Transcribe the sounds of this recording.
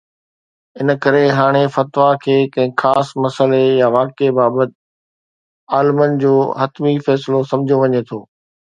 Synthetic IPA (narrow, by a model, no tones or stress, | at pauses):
ɪnəkɐɾeɦaːɽ̃efɐt̪ʋakʰeːkɐ̃ɦɪ̃xaːsmɐsəlejaʋaːkebaːbət̪̚ | aːlɪmənɪ̆d͡ʑoːɦɐt̪mifɛːsɪlosɐ̃md͡ʑʱijoʋɐɲet̪ʰoː